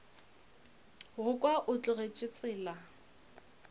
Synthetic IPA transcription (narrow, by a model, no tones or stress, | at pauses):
ɣʊkʼwaʔʊt͡ɬʼʊret͡ʃʼɪt͡sʼɪːla